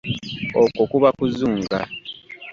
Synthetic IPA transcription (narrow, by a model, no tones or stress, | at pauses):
okokuβakuzuːŋɡa̰